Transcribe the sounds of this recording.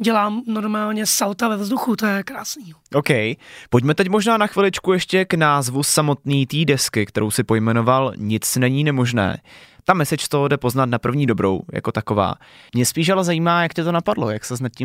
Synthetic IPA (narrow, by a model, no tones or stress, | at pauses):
ɟɛlaːmnoɾmaːlɲɛsawt̪avɛvzduxut̪ojɛkɾaːsniːɦoʔowkɛjpoɟmɛt̪ɛcmo̞ʒnaːnaxvɪlɪt͡ʃkujɛʃcɛknaːzvusamo̞t̪niːt̪iːdɛskɪkt̪ɛɾo̞wsɪpo̞jmɛno̞valɲɪt͡snɛɲiːnɛmo̞ʒnɛ̰ːt̪amɛsɛt͡ʃst̪odɛpo̞znat̪napr̩vɲiːdo̞bɾo̞̰wja̰ko̞t̪ako̞va̰ː | mɲɛspiːʃ̬alɛzajiːmaːjakcɛt̪o̞napadlo̞̰jaksɛznat̪̚ci